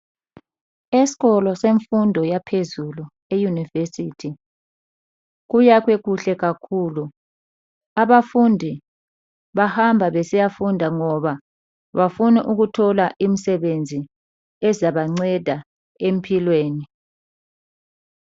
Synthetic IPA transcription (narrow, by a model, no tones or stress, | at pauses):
esi̥ɣɔlɔseɱfundʱɔjapʰezulu | ejunivesitʰi | ɣujakwɛɣuɬɛɣakʰuːlu | aβafundʱi | βahambʱaβɛsijafundʱaŋɔβa | βafunɛʔuɣutʰɔlaʔim̩sɛβend͡zʱi | ɛzaβaŋ͡ǀɛd̥ʱa | em̩pʰilweːni